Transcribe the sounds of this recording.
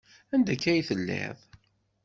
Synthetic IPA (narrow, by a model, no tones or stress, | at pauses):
ænd̪ækːæjθəlːɛ̰ðˤ